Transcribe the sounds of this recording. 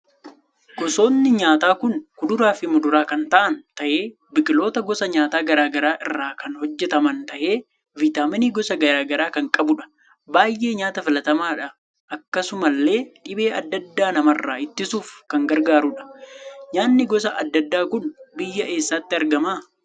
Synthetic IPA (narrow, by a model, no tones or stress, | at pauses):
ɡ̥ɔso̞ːnːɪɲaːt̪aːkʊnkʊd̪ʊɾaːfɪmʊd̪ʊɾaːkɐnt̪ɐʔɐnt̪ɐʔe̞ː | bɪkʼɪlo̞ːt̪ɐɡɔsɐɲaːt̪aːɡɐɾaːɡɐɾaːʔɪrːaːkɐnhɔd͡ʒːɛt̪ɐmɐnt̪ɐʔe̞ː | vɪt̪aːmɪniɡɔsɐɡɐɾaːɡɐɾaːkɐŋkʼɐbʊᶑɐ̥ | baːjʔe̞ːɲaːt̪ɐfɪlɐt̪ɐmaːᶑɐ | ʔɐkːɐsʊmɐlːe̞ːᶑɪbe̞ːɐd̪ːɐd̪ːaːnɐmɐrːaːɪt̪ːɪsuːfkɐŋɡɐɾɡaːɾʊᶑɐ̥ɲaːnːɪɡɔs̬ɐʔɐ̰d̪ːɐd̪ːaːkʊnbɪjːɐʔe̞ːsːaːt̪ːɪɐɾɡɐmaː